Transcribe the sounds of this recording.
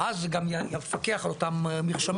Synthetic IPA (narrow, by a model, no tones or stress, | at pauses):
ʔazɡamjjafakeaχalot̪ammiχʃam